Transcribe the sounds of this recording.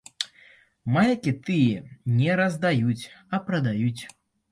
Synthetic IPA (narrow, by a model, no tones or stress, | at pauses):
majkʲit̪ɨjɛnʲɛɾɐzd̪ajut͡sʲɐpɾɐd̪ajut͡sʲ